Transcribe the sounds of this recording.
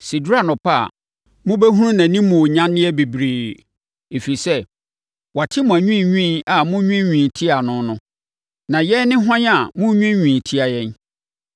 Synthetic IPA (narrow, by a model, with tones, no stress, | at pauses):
si˨da˦˨nʊ̃˨pʰa̰˦˨ | mʊ̃˦bɛ˦ɦu˦ũ˦nã˨nĩ˦mʊ̃˨o˨ɲã˦nːɪ̃˦ɛ˦bi˨bɾeː˨ | e˨fi˨sɛ˦ | wa˨tʰɪ˦mʊ̃˨æ˨ɲᶣĩ˦˨ɲᶣĩ˦na˨mʊ̃˦ɲᶣĩ˦ɲᶣĩ˨tʰi˦a˨nʊ̃˦nʊ̃˦ | nã˨jɛ˦nɪ̃˦ɦã˦ɲ˦a˨mʊ̃˦ɲᶣĩ˦ɲᶣĩ˨tʰi˦a˨jɛ̃˦n